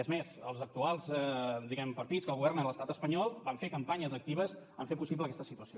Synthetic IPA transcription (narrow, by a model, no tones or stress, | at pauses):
əzmezəlˠzək̚t̪ualˠzd̪iɣɛmpəɾt̪it͡sskəlˠɣuβɛrnəələst̪at̪əspəɲɔlˠbaɱfekəmpaɲəzək̚t̪iβəzəɱfepusipləkɛst̪əsit̪uəsio